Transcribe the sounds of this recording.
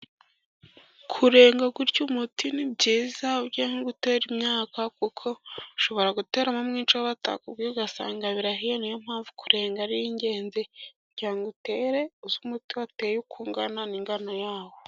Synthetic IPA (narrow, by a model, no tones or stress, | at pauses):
kʰuɾe̞ːŋɡaɡuɾɟumutinibɟiːzaubɟahiɡute̞ːɾimɲaːkakukʰo̞iʃo̞βo̞ɾaɡute̞ːɾamamŋiːnt͡ʃawaβata̰kubɡioɡasa̰ːŋɡaβiɾaɦijenijom̥haːɱvu̥kuɾe̞ːŋɡaɾijiɲɟe̞ːnze | ɟaːŋɡute̞ːɾe̞uzumutiwateːjukʰuːŋɡananiŋɡanojaːwo